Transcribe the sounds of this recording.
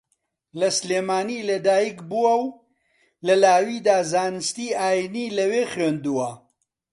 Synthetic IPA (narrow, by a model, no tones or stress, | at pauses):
lɐsleːmaːniːlɐd̪aːjikbuwɐw | lɐlaːwiːd̪aːzaːnɨst̪iːaːjiniːlɐweːxɾeːnd̪uwɐ